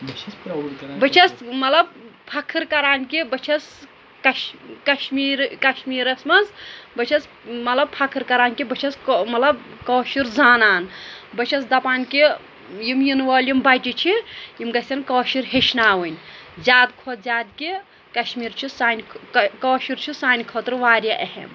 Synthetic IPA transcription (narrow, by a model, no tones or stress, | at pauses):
bt͡ʃʰ | bɐt͡ʃʰɐsmɐlɐb̚pʰɐkʰːɨɾkɐɾaːnkibɐt͡ʃʰɐs | kɐʃkɐʃmiːɾkɐʃmiːɾɐsmɐnzbɐt͡ʃʰɐs | mɐt̪lɐb̚pʰɐkʰɨɾkɐɾaːnʲkibɐt͡ʃʰɐskmɐt̪lɐb̚koːʃiɾzaːnaːnbɐt͡ʃʰɐsd̪ɐpaːnki | jimjinʋoːljimbaʈit͡ʃʰijimɡɐsʲt̪ʲɐnkoːʃiɾɦeʃʰnaːʋɨnʲzʲaːd̪kʰoːt̪̚zʲaːd̪ki | kɐʃmiːɾt͡ʃʰisaːnʲʰkoːʃiɾt͡ʃʰisaːnʲkʰoːt̪ɾʋaːɾʲjɐʔɐhḛm